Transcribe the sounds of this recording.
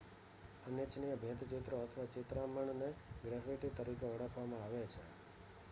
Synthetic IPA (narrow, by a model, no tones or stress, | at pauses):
ənjet͡ʃnijəbʱjə̃t̪t͡ʃet̪ɾoət̪ʰəʋat͡ʃet̪ɾaməɳneɡɾɛfiʈit̪əɾikeəɽəkʰʋamãaʋet͡ʃʰe